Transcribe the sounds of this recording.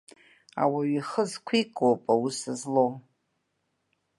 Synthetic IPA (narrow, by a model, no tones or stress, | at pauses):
a̰waɥiχəzkʷʰikʼowpʼawusɨzlow